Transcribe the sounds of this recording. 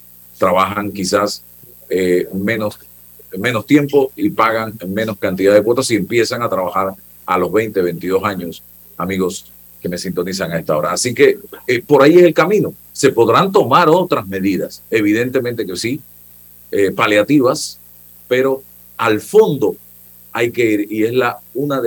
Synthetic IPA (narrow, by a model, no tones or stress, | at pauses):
t̪ɾaβaxaŋkisas | emẽnos | mẽ̞no̞st̪je̞mpo̞ipaɣaŋmẽ̞no̞skant̪̬iðaðekwot̪osie̞mpje̞saŋat̪ɾaβaxaɾ | a̰lo̞zβe̞jnt̪e̞βe̞jnt̪iðo̞saɲo̞s | amiɣo̞s | ke̞me̞sint̪o̞nisaŋae̞st̪ao̞ɾa̰ːsike̞po̞ɾaiese̞lkamĩno | se̞po̞ðɾant̪o̞maɾo̞t̪ɾasme̞ðiðase̞β̞iðe̞nt̪e̞mẽnt̪e̞kesi | epaljat̪iβas | pe̞ɾo̞ | alfo̞nd̪o̞ | ajkeiɾie̞slaunað